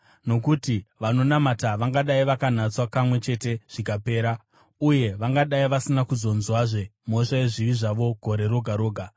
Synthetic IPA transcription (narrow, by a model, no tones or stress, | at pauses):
no̞kutiʋano̞namataʋaŋɡaɗaiʋakan̤at͡swapamwe̞t͡ʃe̞te̞ʐ̥ik̬ape̞ːɾa | uje̞ʋaŋɡaɗaiʋasinakuzo̞nzwaʐe̞mo̞ʂaje̞ʐiʋiʐaʋo̞ɡʱo̞ɾe̞ɾo̞ɡʱaɾo̞ːɡʱa